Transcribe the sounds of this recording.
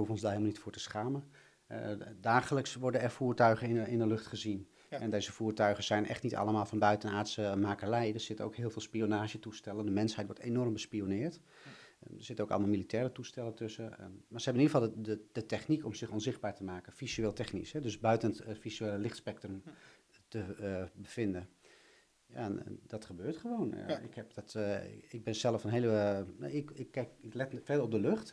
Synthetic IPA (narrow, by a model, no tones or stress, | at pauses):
əɦufənɔnzdaɦeɪlˠmlnitfʊːɹtəsχaːmə | daːχələksʋɔɹdənɛrfuːɹtœɥχəɪɪndəlɵχtχəzin | ɛndejzəvuːɹtœɥχəz̥ɛjnʔɛ̰χtnitɑ̰lˠəmaːlˠvɑnbœɥtənaːɹtsəmaːkərɛjdəz̥ɪtəno̰wkɦɪːlˠvɪːlˠspionaːʒətustɛləndəmɛnsɦɛjtʋɔɹtenɔrmbəspionɪːɹt | əz̥ɪtənowkɑ̰lˠmalˠmilitɛːɾətustɛlətøsəmaːɹsəɦɛbənidəfɑlˠdəd̥ətɛχnikɔmsɪxɔnzɪχd̚baːɹtəmaːkəfisyeːlˠtɛχnḭsɦɛdøsbœɥtənətfisyeːləlɪxtspɛk̚trəm | təbəfɪndə | ja̰ɛndɑtχəbøːɹtχəʋowna̰ɪ̰khɛp̚dtɪɡ̚bɪnsɛlˠəfnɦeləɪkɪkːɛkɪklɛtfɛrdərɔb̚dəløχt